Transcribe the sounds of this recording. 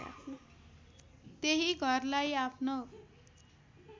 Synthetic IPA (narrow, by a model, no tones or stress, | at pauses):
a̰pʰno | t̪eɦiɡʱʌrlajapʰno